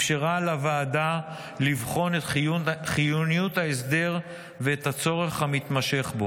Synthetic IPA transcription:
fʃeʁalavaːda | livχo̞net̪χijunijut̪haes̬d̪e̞ʁ | veːt̪hat͡so̞ʁe̞χhamit̪maʃe̞χbo

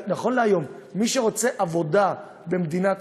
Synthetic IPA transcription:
naχo̞nleajo̞mːiʃeʁo̞t͡se̞ʔavo̞d̪a | be̞md̪inat

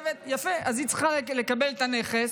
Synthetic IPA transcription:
vet̪jafeʔazit͡sχalle̞kabelet̪aneχes

